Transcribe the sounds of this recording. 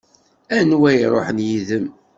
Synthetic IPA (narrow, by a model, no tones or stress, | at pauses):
ænwæjɾˤo̰ħənjiðəm